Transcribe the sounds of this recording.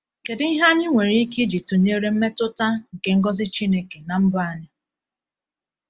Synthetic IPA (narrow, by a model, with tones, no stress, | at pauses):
ke˨dɪ˨˦ɦa˦ɲɪ˦ŋʷe˨ɾi˨˦i˦ki˦d͡ʒi˨to˨ɲe˦ɾe˦m̩˦me˦tʊ˦ta˦ŋ̩˨ke˨ŋ̩˦ɡɔ˦zɪ˦t͡ʃi˦ne˦ke˨na˨m̩˦bʊ˦a˦ɲa˦